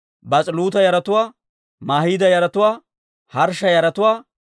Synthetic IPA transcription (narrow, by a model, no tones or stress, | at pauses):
bɐt͡sʼɪluːt̪ɐjɐɾɐt̪ʊwaː | maːhiːd̪ɐjɐɾɐt̪ʊwaː | hɐɾʃːɐjɐɾɐt̪ʊwaː